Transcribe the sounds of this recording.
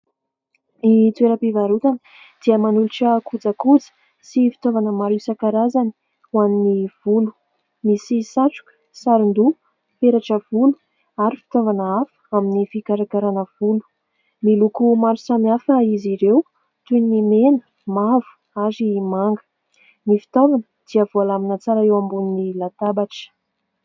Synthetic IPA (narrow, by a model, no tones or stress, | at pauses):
mit̪weɾəpivaɾut̪anə | d̪̥iəmanuliʈ͡ʂəkʰud͡zakud͡zə̥ | sifi̥t̪ovanəmaɾisakaɾazani̥ | waniniv̥ulu̥ | misisaʈ͡ʂu̥kə̥saɾind̪u | peɾaʈ͡ʂəv̥ulu̥ | aɾifi̥t̪ovanəafə̥aminifikaɾakaɾanəv̥ulu̥ | milukumaɾusamiafəiziɾew | t̪unimenə̥ | mavu̥ | aɾimaŋɡə̥ | nifi̥t̪ovanəd̪̥iəvualaminət͡saɾaewambuninilat̪abaʈ͡ʂə̥